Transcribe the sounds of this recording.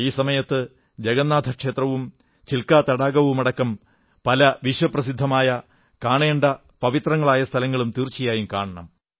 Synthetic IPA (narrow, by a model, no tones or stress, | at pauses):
iːsɐmɐjɐt̪ːɨ | d͡ʑeɡɐnːaːd̪ʱɐkʂe̞ːt̪rɐʋum | t͡ɕilkaːt̪ɐɽaːɡɐʋumɐɽɐkːɐm | pɐlɐʋiʂwɐprɐsid̪ʱːɐmaːjɐ | kaːɳeːɳɖɐ | pɐʋit̪rɐŋːɐɭaːjɐst̪ʰɐlɐŋːɐɭumt̪iːrt͡ɕːijaːjumka̰ːɳɐɳɐm